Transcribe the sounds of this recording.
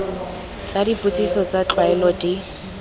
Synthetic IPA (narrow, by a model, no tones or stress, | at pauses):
t͡sadipʊt͡sʼisɔt͡sat͡ɬʼwaɛlɔdi